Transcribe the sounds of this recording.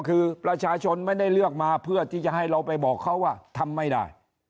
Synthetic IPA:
kʰɯː˧pɾa˧t͡ɕʰaː˧t͡ɕʰo˧nma˥˩jda˥˩jlɯ˥˩ək̚maː˧pʰɯ˥˩ət̪ʰiː˥˩t͡ɕa˨˩ʔhɦa˥˩jɾa˧wpa˧jbɔː˨˩kʰːa˥˩wːaː˥˩t̪ʰa˧mːa˥˩jda̰ː˥˩j

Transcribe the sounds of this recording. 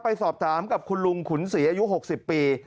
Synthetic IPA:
pa˧jsɔː˨˩p̚t̪ʰaː˩˦mka˨˩p̚kʰu˧nlu˧ŋkʰu˩˦nsi˩˦ʔaː˧ju˦˥ɦo˨˩k̚si˨˩pːiː˧

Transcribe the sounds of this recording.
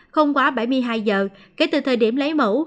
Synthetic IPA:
xə˧wŋ͡mkwaː˨˦ɓa˧˩jmɨ˧əjɦaː˧jzəː˨˩ke˨˦t̪ɨ̰˨˩t̪ʰəː˨˩jɗi˧˩əmlə˨˦jmṵ˧˥

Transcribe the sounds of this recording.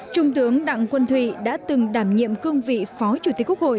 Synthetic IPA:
t͡ɕʊ˧ŋ͡mt̪ɨ˨˦əŋɗa̰˧˨ŋkwə˧nt̪ʰwḭ˧˨ɗa̰ː˧˥t̪ɨ˨˩ŋɗaː˧˩mɲḭ˧˨əmkɨ˧əŋvḭ˧˨fɔ˨˦t͡ɕu˧˩t̪i˧˩kk̚ho̰˧˨j

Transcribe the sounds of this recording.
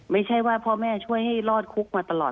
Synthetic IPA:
ma˥˩jt͡ɕʰa˥˩jwaː˥˩pʰɔː˧mɛː˥˩t͡ɕʰu˥˩əjha˥˩jlɔː˥˩t̪̚kʰu˦˥k̚maː˧t̪a˧lɔ̰ː˨˩t̪̚

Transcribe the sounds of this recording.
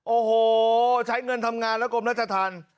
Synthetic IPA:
ʔoː˧hoː˧˩t͡ɕʰa˦˥jŋɤ˧nt̪ʰa˧mŋaː˧nlɛ˦˥kʰo˧mɾa˦˥t̪̚t͡ɕa˧t̪ʰaː˧n

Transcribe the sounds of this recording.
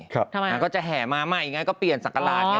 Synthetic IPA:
a˥˧˩kɔː˥˩t͡ɕa˨ɦɛː˨˩maː˧maː˧˥˩k̚ʔi˨˩ŋaː˦˥kɔː˥˩pli˨˩ənsa˨˩ka˧laː˦˩

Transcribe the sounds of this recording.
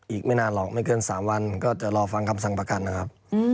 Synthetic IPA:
ʔiː˨˩k̚ma˥˩jnaː˧nlɔː˨˩k̚ma˥˩jkɤː˧nsaː˩˦mwa˧nkɔː˥˩t͡ɕa˨˩ʔɾɔː˧fa˧ŋkʰa˧msa˨˩ŋpɾa˧ka˧nː˦˥kʰa˦˥p̚ː

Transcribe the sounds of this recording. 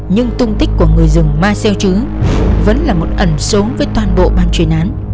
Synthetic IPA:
ɲɨ˧ŋt̪ʊ˧ŋ͡mt̪ï˦˥k̟̚ku˧˩əŋɨ˨˩əjzɨ˨˩ŋmaː˧sɛ˧wt͡ɕɨ˨˦ | və̰˧˥nlaː˨˩mo˨˩t̚ʔə˧˩nso˨˦nvəː˨˦jt̪waː˨˩nɓo̰˧˨ɓaː˧nt͡ɕwi˨˩ənʔaː˨˦n

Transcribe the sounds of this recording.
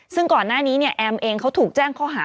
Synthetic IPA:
sɯ˥˩ŋkɔː˨˩nːaː˥˩niː˦˥ni˥˩ɐʔɛː˧mʔeː˧ŋkʰa˦˥wt̪ʰuː˨˩k̚t͡ɕɛː˥˩ŋkʰɔː˥˩ɦaː˩˦

